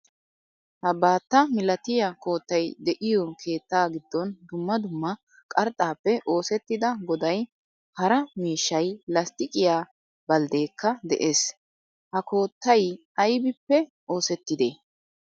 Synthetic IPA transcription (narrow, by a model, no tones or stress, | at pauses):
hɐbaːt̪ːɐmɪlɐt̪ɪjako̞ːt̪ːɐjd̪ɛʔɪjɔkʰe̞ːt̪ːaːɡɪd̪ːɔnd̪ʊmːɐd̪ʊmːɐ | kʼɐɾt̪ʼaːpːɛʔo̞ːsɛt̪ːɪd̪ɐɡɔd̪ɐj | hɐɾɐmiːʃːɐjlɐst̪ɪkʼɪjaː | bɐld̪eːkːɐd̪ɛ̰ʔeːs | hɐko̞ːt̪ːɐj | ɐjbɪpːɛ | o̞ːsɛt̪ːɪd̪eː